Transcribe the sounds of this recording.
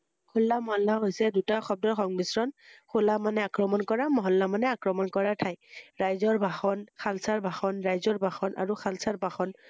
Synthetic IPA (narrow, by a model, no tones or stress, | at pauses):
kʰʊlːamɔɦɔlːaɦojsɛdutaxɔb̚dɔɹxɔŋbisɹɔnxʰolamanɛakɹɔmɔnkɔɹamɔɦɔlːamanɛakɹɔmɔnkɔɹatʰajɹajzɔɹbʱaxɔnxʰalsaɹbʱaxɔnɹajzɔɹbʱaxɔnʔa̰ɹuxʰalsaɹbʱaxɔn